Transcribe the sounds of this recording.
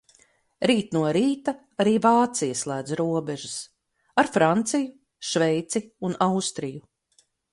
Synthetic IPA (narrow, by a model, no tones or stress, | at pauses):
ɾiːt̪nuɔɾiːt̪a | aɾiːvaːt̪sijɐslˠæːd̪zɾuɔbɛʒus | aɾfɾant̪siju | ʃvɛjt̪siunawst̪ɾiju